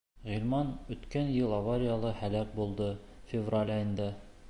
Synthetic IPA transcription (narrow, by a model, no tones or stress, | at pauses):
ʁilmɑnɵ̆t̪kænjɤlˠɑvaɾʲɪjalˠɤhælæk̚bulˠd̪ɤ | fʲɪvralʲɑjɤ̆nd̪ɑ